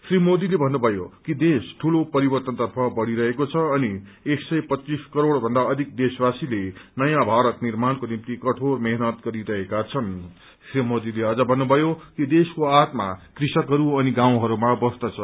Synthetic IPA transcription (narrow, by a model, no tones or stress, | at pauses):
srimod̪ilebʱʌnːubʱʌjokid̪esʈʰulopʌɾibʌrt̪ʌnt̪ʌrpʰʌbʌɽiɾʌɦekot͡sʰʌːnieksʌjpʌt͡sːiskʌɾoɽbʱʌnd̪aʌd̪ʱik̚d̪eswasilenʌjãbʱaɾʌt̪nirmankonimt̪ikʌʈʰormeɦnʌt̪̚ɡʌɾiɾʌɦekat͡sʰʌn | srimod̪ileʌd͡zʌbʱʌnːubʱʌjokid̪eskoat̪makrisʌkɦʌɾuʌniɡãw̃ɦʌɾumabʌst̪ʌt͡sʰʌ